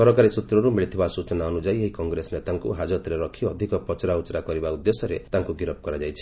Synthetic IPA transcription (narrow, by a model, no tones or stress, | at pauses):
kɔɾɔkaɾisut̪ɾɔɾumiɭit̪ʰibasut͡ʃɔnaɔnud͡ʒaieɦikɔŋɡɾesɔnet̪aŋkuɦad͡ʒɔt̪ɾeɾɔkʰiɔd̪ʱikɔpɔt͡ʃɔɾaut͡ʃɾakɔɾibaud̪ːesɔɾet̪aŋkuɡiɾɔp̚kɔɾad͡ʒajt͡ʃʰi̥